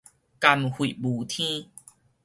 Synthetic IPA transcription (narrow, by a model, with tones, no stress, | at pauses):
ka˧mhwi˨bu˨t̪ʰĩ˦